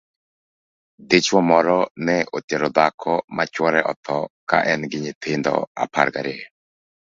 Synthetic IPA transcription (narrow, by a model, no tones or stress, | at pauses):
d̪et͡ʃwɔmɔɾɔnɛʔot̪iɛɾɔd̪akʰɔmʔat͡ʃwɔɾɛʔɔ̰t̪ʰɔka̰ʔɛnɡɪɲɪt̪ʰɪnd̪ɔ̰a̰pʰa̰ɾɡaɾɪɛ